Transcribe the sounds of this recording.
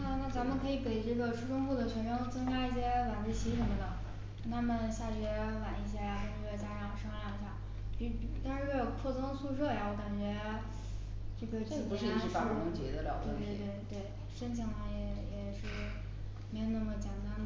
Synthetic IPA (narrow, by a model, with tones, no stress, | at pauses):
na˥˩na˥˩t͡sa˧˥mə˨nkʰɤ˧˥i˨˩ke˨˩ɪʈ͡ʂɤ˥˩ɡə˩ʈ͡ʂʰu˥ʈ͡ʂʰʊ˥ŋpu˥˩d̪ə˩t͡ɕʰɥɛ˧˥nʈ͡ʂʰʊ˥ŋt͡sɤ˥ŋka˥i˧˥˩ɕ̬jɛ˥wa˨˩nt͡s̩˥˩t͡ɕʰi˧˥ʂ̬ə˧˥mə˧j̪ɑɤ˥˩ŋ | ɑ˥˩t̪ʰa˥mə˨nɕja˥˩t͡ɕɥɛ˧˥wa˨˩ni˥˩ɕ̬jɛ˥˧˥ʂ̩˧˩˥ɛ˥˩t͡ɕja˥ʈ͡ʂɑ˥˩˨ʂɤ˥ŋa˥˩i˧˩ɕ̬ja˥˩ | pi˧˥˩t̪nʂɻ̩˥˧wɛ˥jo˨˩ʊkʰɔ˥˩t͡sɤ˥ŋsu˥˧ʂɤ˥˩ja˨˩wɔ˧˥ka˨˩nt͡ɕɥɛ˧˥ | ʈ͡ʂɤ˥˩ɡə˩t͡ɕi˧˩u˧˥ʂɻ̩˥˧i˧˥ʂ̩˥fa˧˥˩ʊ˧˥t͡ɕḭ˧˥d̪ə˧ljɑ̰˨˩ʊt̪we˥˧ɪt̪we˥˧ɪt̪we˥˩ɪt̪we˥˩ɪ | ʂə˥nt͡ɕʰi˧˩ŋna˧˩jɛ˨˩jɛ˨˩ʂɻ̩˥˩ | me˧˥jo˧˩na˥˩mə˨t͡ɕjɛ˨˩nt̪a˥n˩